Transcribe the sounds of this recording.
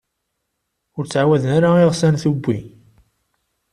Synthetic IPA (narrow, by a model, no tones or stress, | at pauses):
ʊɾt͡sːʕawæðənaɾaiʁsænθubʷːḭ